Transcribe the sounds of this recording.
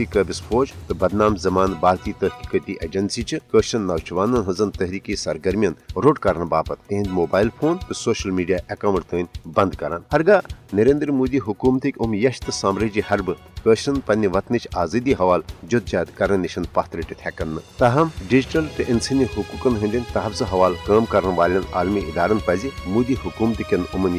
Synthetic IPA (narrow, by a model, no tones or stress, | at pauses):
ikəbʲispʰoːt͡ʃt̪ɨbɐd̪naːmzɐmaːnbaːɾt̪iːt̪ɐɦkikət̪iʔeːd͡ʒɐnsiːt͡ʃɨkəːʃɐnːɐʋt͡ʃʋaːnɐnɦɐnzɨnt̪ɐɦɾiːkiːsɐɾɡɐɾmʲjɐnɾoːɖkɐɾɐnbaːpɐt̪ːiɦĩnd̪ʲmoːbaːjilpʰoːnt̪ɨsoːʃɐlmiːɖijaːʔɐkawɳʈt̪əːnʲbɐnd̪kɐɾaːnhɐɾɡaːnɐɾẽːnd̪ɾmuːd̪iːɦʊkuːmt̪ikʲʊmjɐʃt̪ɨsaːmɾəd͡ʒihɐɾbɨ | kəːʃɐnpɐnʲiʋɐt̪nit͡ʃʰaːziːd̪iɦɐʋaːld͡ʒod̪̚d͡ʒaːd̪kɐɾɐnʲiʃɐnd̪paːt̪ʰɾiʈit̪ʰɛːkɐnːɨt̪ɐɦɐmɖid͡ʒiʈɐlt̪ɨʔɪnsʰinʲiɦʊkuːkɐnɦɐnd̪ʲinʲt̪ɐɦɐfzɨɦɐʋaːlkaːmkɐɾnʋaːlʲɐna̰ːlmiid̪aːɾɐnpɐzimuːd̪iːɦʊkuːmt̪ikʲɐnʊmɐn